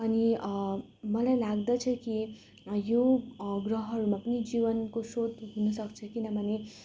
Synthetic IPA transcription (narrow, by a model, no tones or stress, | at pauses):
ʌni | mʌlajlaɡd̪ʌt͡sʰʌki | joɡrʌɦʌɾumapʌnid͡ʒibʌnkosod̪ɦunʌsʌkt͡sʰʌkinʌbʱʌne